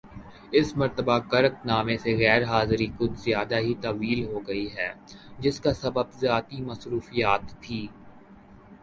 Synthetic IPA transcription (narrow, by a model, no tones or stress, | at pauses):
ɪsmɐɾt̪əbakɐɾəknaːmẽseɣɛːɾɦaːzɾikʊd̪zjaːd̪aɦit̪ɐʋiːlɦoɡɐiɦɛːd͡ʒɪskasɐbəbzjaːt̪imɐsɾuːfijaːt̪bʰʱiː